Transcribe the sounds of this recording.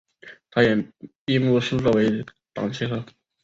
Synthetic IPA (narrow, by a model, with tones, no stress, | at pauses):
t̪ʰa˥jɛ˨˩pi˥˧mu˥˩ʂu˥t͡sɔ˥˩we˧˥ɪ | t̪ɑ̰˨˩ŋt͡ɕʰi˥xɤ˥